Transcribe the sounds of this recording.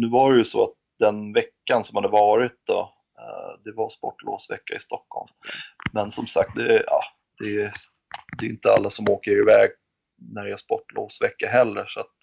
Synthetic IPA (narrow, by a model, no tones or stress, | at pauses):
nʉ̟ːvaɾɛjɵsɔ̰at̪̚d̪ɛnvɛkːansɔmhad̪ːəvɑːɾɪt̪̚d̪ɔ̰ | d̪ɛvaspɔʈːlo̰ːsvɛ̰kːaɪst̪ʰɔkːhɔ̰lmːɛnsɔmsak̚t̪̚d̪ɛɑ̰ː | d̪̥ɛ | d̪ɛɾjʏnt̪əa̰lːasɔmoːkəɾɪvɛːɡ̚ | næɖɛɛspɔʈːlo̰ːsvɛkːaɦɛlːəʂat̪̚